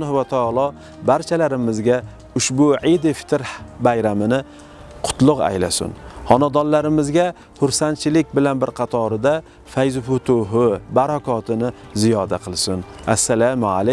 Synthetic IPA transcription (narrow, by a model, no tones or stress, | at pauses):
nhwat̪ʰaɑlˠɒ | baɾt͡ʃʰalaɾɪmɪzɡʲa | ʊʃbʊʕɪd̪ɪfɪ̥t̪ʰɪɾbajɾamɪnɪ | qʰʊ̥t̪ʰlˠʊqa̰jlasʊ̰nhɒnad̪ɒnlaɾɪmɪzɡʲa | hʊɾsant͡ʃʰɪlɪkʲbɪlanbɪɾqʰɑt̪ʰɒɾɪd̪a | fajzʊfʊt̪ʰʊɦʊbaɾakʰɒt̪ʰɪnɪ | zijɒd̪aqʰɨlˠsʊnasːalama̰la